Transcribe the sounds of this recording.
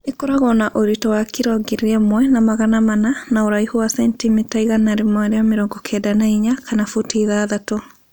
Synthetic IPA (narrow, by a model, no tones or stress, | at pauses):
ekɔɾaɣɔnaʔoɾitɔwakiɾɔɡeɾeɛmwɛnamaɣanamananaoɾaihowasɛntimetaiɣanaɾemɔeɾeameɾɔːŋɡɔkʰɛdanaiɲakʰanafotiðaðato